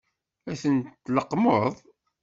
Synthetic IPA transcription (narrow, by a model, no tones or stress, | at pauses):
æθəntt̪ːləqːməðˤ